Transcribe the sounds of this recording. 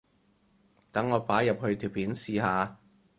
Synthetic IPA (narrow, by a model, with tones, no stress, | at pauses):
t̪ɐ˨˥ŋːɔː˨˧paː˨˥jɐ˨p̚hɵ˧ɥt̪ʰiː˨˩wpiː˨˥nsiː˨˧haː˨˧